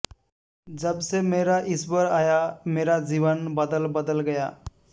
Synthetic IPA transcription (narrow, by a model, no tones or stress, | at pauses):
d͡ʒəbsemeːɾaʔɪsbəɾaːjameːɾad͡ʒiːʋənbəd̪əlbəd̪əlɡɐjaː